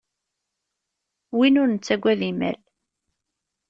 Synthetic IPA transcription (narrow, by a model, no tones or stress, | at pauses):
winʊɾnət͡sːæɡʷːæðimæ̰l